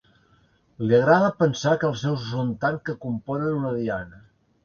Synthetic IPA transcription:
liəɣɾaðəpənsakəlˠsɛwzzənt̪ankəkumpɔnənunəðianə

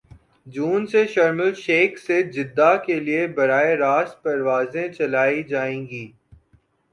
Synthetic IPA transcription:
d͡ʒuːnseʃɐɾməlʃeːksed͡ʒɪd̪ːakeliebɐɾaːeɾaːs̚pɐɾʋaːzẽt͡ʃɐlaːid͡ʒaːẽːɡiː

